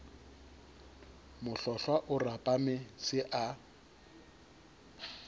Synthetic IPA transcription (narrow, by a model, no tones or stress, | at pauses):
mʊɬɔɬwaʔʊrapʼamɪsɪʔa